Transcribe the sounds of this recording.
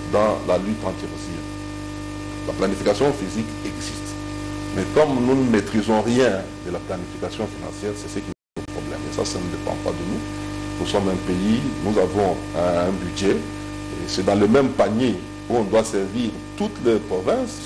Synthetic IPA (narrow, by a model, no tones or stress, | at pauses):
d̪ɑ̃lalyt̪ɑ̃t̪iʁzi | laplanifikasjɔ̃fizikɛɡzist̪ | mɛkɔmnunəmet̪χizɔ̃ʁjɛ̃ | d̪əlaplanifikasjɔ̃finɑ̰̃sjɛʁsɛsəkʲi | nopχɔblɛ̰mḛsa̰sanəd̪epɑ̰̃pa̰d̪ənu | nusɔmɛ̃peinuzavɔ̃ɛɛ̃bydʒɛ | ḛsɛd̪ɑ̃ləmɛmpaɲe | uɔ̃d̪wasɛʁviʁt̪ut̪lɛpχɔvɛ̃s